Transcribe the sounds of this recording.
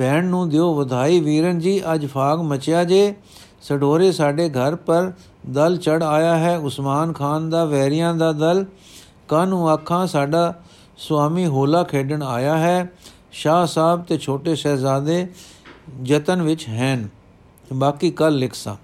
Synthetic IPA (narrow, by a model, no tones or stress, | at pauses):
bɛːɳnũːd̪eoːʋəd̪ʱaːiːʋiːɾənd͡ʒiːʔəd͡ʒpʰaːɡmət͡ʃjaːd͡ʒeː | səɖoːɾeːsaːɖeːɡʱəɾpəɾ | d̪əlt͡ʃəɽaːjaːɦɛːʊsmaːnkʰaːnd̪aːʋɛːɾɪjãːd̪aːd̪əl | kaːnũːaːkʰːãːsaːɖaː | swaːmiːɦoːlaːkʰeːɖəɳaːjaːɦɛː | ʃaːsaːbt̪eːt͡ʃʰoːʈeːʃɛːzaːd̪eː | d͡ʒət̪ənʋɪt͡ʃɦɛːn | baːkiːkəlːɪkʰsã̰ː